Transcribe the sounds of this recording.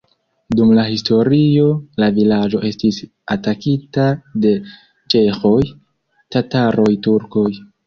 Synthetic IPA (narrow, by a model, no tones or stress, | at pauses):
dumlahisto̞ɾio̞lavilad͡ʒo̞ʔe̞stis | atakitade̞ | t͡ʃe̞xo̞j | tataɾo̞jtuɾko̞j